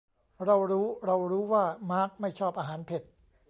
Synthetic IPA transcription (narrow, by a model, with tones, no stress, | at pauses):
ɾa˧wɾuː˦˥ɾa˧wɾuː˦˥waː˥˩maː˦˥k̚ma˥˩jt͡ɕʰɔː˥˩p̚ʔaː˧ɦaː˩˦npʰe˨˩t̪̚